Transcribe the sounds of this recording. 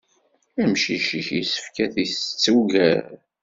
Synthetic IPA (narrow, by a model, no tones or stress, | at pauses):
æmʃiʃiçjisə̥fkæθiθt͡sːuɡæɾ